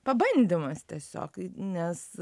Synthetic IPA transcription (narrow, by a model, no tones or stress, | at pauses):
pɐbɐnʲd̪ʲimɐst̪ʲiɛsʲo̰ːknʲɛs